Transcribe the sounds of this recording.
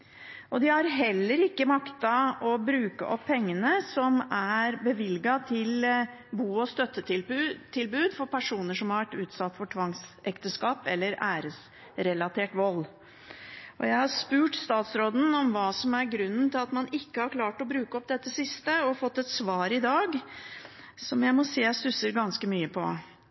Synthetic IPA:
ʔɔd̪ɪhɑɾɦɛlːəɾɪkːəmɑkt̪ɑɔbɾʉːkə̰ʔɔpʰːɛŋːənəsɔmæɾbəʋɪlɡɑt̪ʰɪl | buːɔst̪œt̪ːət̪ɪt̪ʰɪlbʉːd̪fɔɾpʰæʂuːnəʂɔmhɑɾʋæʈːʉːt̪sɑt̪ːfɔʈʰʋɑŋsɛkt̪əskɑːpɛlːəɾæːɾəs | ɾɛlɑt̪ʰeːʈʋɔlː | ʔɔ̰jæɪhɑɾspʉːʈst̪ɑːt̪sɾoːd̪n̩ɔmʋɑːsɔmæɾɡɾʉnːən̩t̪ʰɪlɑt̪mɑnɪkːəhɑɾkʰlɑːʈɔbɾʉːkəɔpd̪ɛt̪ːəsɪst̪əɔfɔt̪ːɛt̪sʋɑːɾɪd̪ɑːɡ | sɔmjæɪmɔseːsʉsəɾɡɑnskəmyːəpʰɔ̰

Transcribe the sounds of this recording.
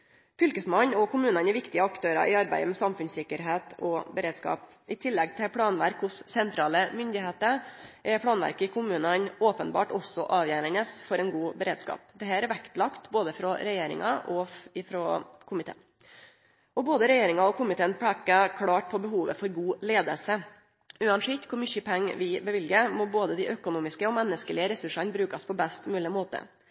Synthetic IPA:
fʏlkəsmɑnɔkʰʊmʉːnɑnɛɾʋɪkt̪ɪəɑkt̪ʰøːɾɑ̰ʔɪɑɾbæ̰ɪəmɛsɑmfʉnsɪkːəɾɦeːt̪ʰɔbəɾeːd̪skɑ̰ːp | ʔɪt̪ʰɪlːɛɡ̚t̪ʰɪlpʰɽɑːnʋæɾkhʊsːɛnt̪ʰɾɑːləmʏnd̪ɪheːt̪əɾʔɛpʰɽɑːnʋæ̰ɾkəɪkʰʊmʉːnənoːpənbɑ̰ːʈɔsɔʔɑːʋjæɾənəsfɔɾɛnɡuːbəɾeːd̪skɑ̰ːpd̪ɛɦæːɾʋækt̪lɑkt̪boːd̪əfɾɔɾɛjeːɾɪ̰ŋɑ̰ʔɔɪfɾɔkʰʊmɪt̪ʰḛːn | ɔboːd̪əɾɛjeːɾɪŋɑɔkʰʊmɪt̪ʰeːnpʰɽɛkəkʰɽɑːʈ̚pʰɔbəɦuːʋə̰fɔɾɡuːleːd̪əlsə | ʉːɑnʂɪt̪kʰʊɾmʏçəpʰɛŋːʋɪbəʋɪlɡəmɔboːd̪əd̪ɪʔœkʊnuːmɪskəɔmɛnːəskəlɪəɾɛsʉʂɑnbɾʉːkɑspʰɔbɛst̪mʉːlɪəmoːt̪ə̰

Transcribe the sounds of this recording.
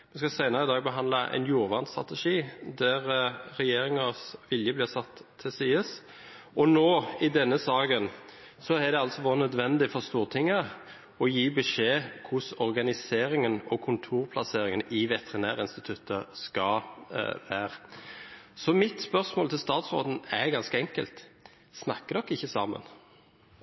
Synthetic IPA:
ʋɛskɑsæɪnəʁəɪd̪ɑːɡbəɦɑnlɑʔɛ̰ɪnjuːɾʋɑʁnt̪st̪ʁɑ̰t̪əʂiːd̪æʁɾɛjeːɾɪŋɑsʋɪljəblɪːʁsɑt̪ʰːɪsiːəs | ɔnoːɪd̪ɛnːəsɑːɡən | sɔæd̪ɛɑlsɔʋoːɾənœd̪ʋɛnd̪ɪfɔʁst̪uːʁt̪ʰɪŋːə | ɔjiːbəʂeːkʰʊsɔʁɡɑnɪseːɾɪŋənɔkʰʊnt̪ʰuːʁpʰlɑseːɾɪŋənɪʋɛt̪ɛʁɪnæːʁɪnst̪ɪt̪ʰʉt̪ːəskɑ | ʋæːʁ | sɔmɪt̪spœʁsmoːlt̪ʰɪlst̪ɑːt̪sʁo̰ːd̪n̩ɛɡɑnskəɛŋkə̰lt̪ | snɑkːəd̪ɔkːɪçːəsɑ̰ːmə̰n

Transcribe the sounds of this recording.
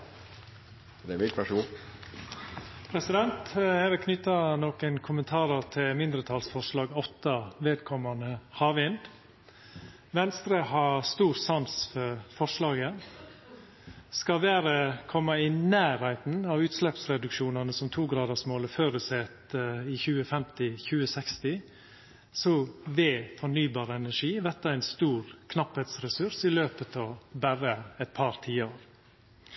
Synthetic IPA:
d̪ɛmɪʋæʂuː | pʰɾɛsɪd̪ɛnt̪ɛʋɪkʰnʏt̪ːɑnoːkənkʰʊmənt̪ʰɑːɾəɾt̪ʰɪlmɪnd̪ɾət̪ʰɑːlsfɔʂlɑːɡɔt̪ːɑʋeːd̪kʰɔmɑnəhɑːʋɪnd̪ | ʋɛnst̪ɾəhɑɾst̪uːɾsɑnsfɔɾfɔʂlɑːɡə | skɑʋæːɾəkʰɔmːəɪnæːɾhæɪt̪n̩ɑʋʉːt̪slɛpsɾɛd̪ʉkʃuːnɑnəsɔmt̪ʰuːɡɾɑːd̪əsmoːləføːɾəsɛt̪ɪçʉːəfɛmt̪ɪçʉːəsɛkst̪ɪ | sɔʋeːfɔɳyːbɑːɾəɛnæʂiːʋɛt̪ːəæɪnst̪uːɾkʰnɑpheːt̪sɾɛsʉɾsɪløːpət̪ʰɑʋbæɾəɛt̪̚pʰɑɾt̪ʰiːəoːɾ

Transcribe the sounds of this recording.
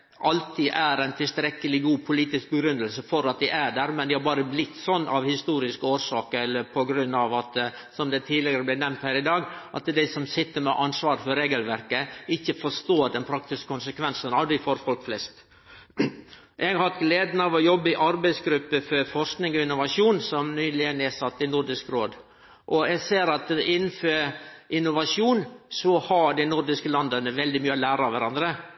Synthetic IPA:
ʔɑlt̪ʰiːʔæɾæɪnt̪ʰɪlst̪ɾɛkːəlɪɡuːpʰʊliːt̪ɪsk̚bəɡɾʉnːəlsəfɔɾɑt̪̚d̪æʔæɖæɾmɛnd̪ɪhɑɾbɑːɾəblɪt̪ːsɔnːʔɑʋhɪst̪uːɾɪskəoːɾsɑːkəɛlːəpʰɔɡɾʉnːɑʋɑt̪ | sɔmd̪ɛt̪ʰiːlɪɡəɾəblɪnɛmnt̪hæːɾɪd̪ɑːɡʔɑ̰t̪d̪æɪsɔmsɪt̪ːəɾmɛʔɑnsʋɑːɾfɔɾːeːɡəlʋæɾkəɪçːəfɔʂt̪oːɖɛnpʰɾɑk̚t̪ɪskə̥kʰʊnsəkʰʋɛnsənɑʋd̪æɪfoːɾfɔlkflɛst̪ | ʔɛɡhɑt̪ɡleːd̪nɑʋɔjɔbːəɪʔɑɾbæɪsɡɾʉpːəfɔɾfɔʂknɪŋɔɪnːʊʋɑʂuːnsɔmnyːlɪənɛsɑt̪ːɪnʊɾɖɪskɾoːd̪ | ʔɔɛɡseːɾɑt̪ɪnːnføːɾʔɪnʊʋɑʂuːnsɔhɑɖɪnʊɾɖɪskəlɑnd̪ənəʋɛld̪ɪmyːɔlæːɾɑʋæɾɑnd̪ɾə

